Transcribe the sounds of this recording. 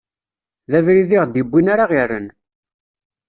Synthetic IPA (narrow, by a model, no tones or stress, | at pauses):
ðævɾiðiʁd̪ibːinaɾaʁirən